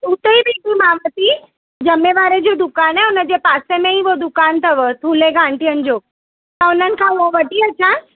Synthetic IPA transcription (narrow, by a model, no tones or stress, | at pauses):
ʊt̪eibɪɪkimaːʋət̪i | d͡ʑɐmeʋaːɾed͡ʑod̪ʊkaːnɛːʊnə̆d͡ʑeːpaːsemẽiʋod̪ʊkaːnt̪ʰɐʋət̪ʰuːleɡãːɳʈijənɪ̆d͡ʑoː | t̪ɐʊn̤ənɪ̆kʰãːʊɦoʋɐʈiɐt͡ɕʰãː